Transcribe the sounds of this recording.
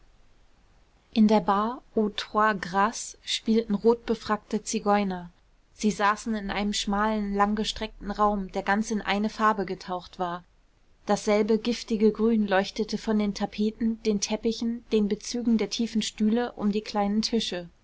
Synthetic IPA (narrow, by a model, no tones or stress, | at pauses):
ʔɪndeːɐbaːɐʔotwaːɡʁaːsʃpiːltn̩ʁoːt̚b̥əfʁ̥ak̚tət͡siɡɔʏnɐ | z̥iːzaːsn̩ɪnʔaɪnəmʃmaːlənlaŋɡəʃtʁ̥ɛk̚tn̩ʁaʊmdeːɐɡant͡sɪnʔa̰ɪnəfaɐbəɡətʰaʊxtv̥aːɐ | d̥asz̥ɛlbəɡɪftɪɡəɡʁyːnlɔʏçtətəfɔndeːntʰapʰeːtn̩d̥eːntʰɛpɪçn̩d̥eːnbət͡syːɡŋ̩deːɐtʰiːfn̩ʃtyːləʔʊ̰mdiːkʰl̥aɪnəntʰɪʃə